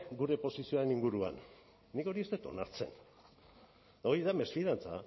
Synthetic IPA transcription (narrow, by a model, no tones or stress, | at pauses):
ɡuɾe̞po̞sisio̞aɾeniŋɡuɾua̰nː | iko̞ɾie̞st̪e̞t̪o̞̰naɾt͡se̞̰n | d̪aoiðame̞sfiðant͡sa̰